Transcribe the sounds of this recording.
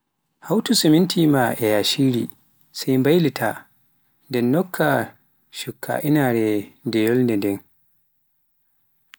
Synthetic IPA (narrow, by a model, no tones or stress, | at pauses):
hawtusimintʰimaʔɛjaʃiːɾi | sajmbajlitʰa | ndɛnːɔkʰːa | ʃukʰːa̰ʔinaɾɛdɛjɔlndɛndɛn